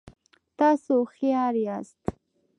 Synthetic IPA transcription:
t̪ɑsoxijɑːɾiast̪

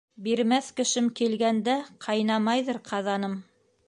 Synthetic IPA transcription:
biɾmæθkɘ̆ʃɘmkilɡænd̪æqʰɑjnɑmɑjðɤɾqʰɑðɑnɤm

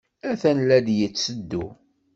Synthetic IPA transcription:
æθænlæd̪jət͡sːəd̪ːu

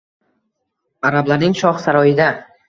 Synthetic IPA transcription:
aɾablaɾnɪŋʃɒχsaɾɒjɪd̪a

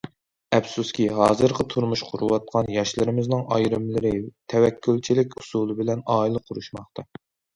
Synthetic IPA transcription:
ɛpsuskʲiɦɑːzɨɾqɑt̪ʰuɾmuʃqʰʊɾuwɑt̪̚qʰɑnjɑʃlɨɾɪmɪznɪŋʔɑjɾɨmlɨɾɪt̪ʰɛwɛkʲʰːylt͡ʃʰilɪkʲu̥sulˠɨbɪlɛnɑːilˠɨqʰʊɾuʃmɑχt̪ɑ

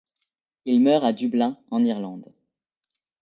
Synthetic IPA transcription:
ilmœʁad̪yblɛ̃ɑ̃niʁlɑ̃d̪

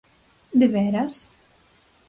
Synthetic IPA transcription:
d̪eβɛɾas

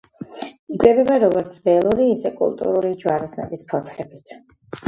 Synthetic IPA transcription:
iɡwɛbɛbaɾɔɡɔɾt̪sʰbɛlˠuɾiːsɛkʼṵlˠt̪ʼṵɾuɾid͡ʒwaɾɔsnɛ̰bispʰɔt̪ʰɾɛbit̪ʰ

